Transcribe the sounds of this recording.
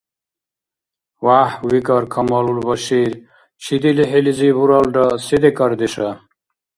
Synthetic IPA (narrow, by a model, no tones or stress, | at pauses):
waːhwikɐɾkʰɐmɐːlulbɐɕiɾ | t͡ɕʰid̪iliɦelizibuɾɐlɖɐsed̪ekɐɾd̪eʂɐ